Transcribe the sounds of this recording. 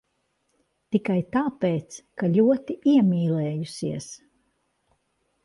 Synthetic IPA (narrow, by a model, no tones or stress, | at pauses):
t̪ikajt̪aːpeːt̪skaʎʲuɔt̪iiɛmiːlɛːjusiɛs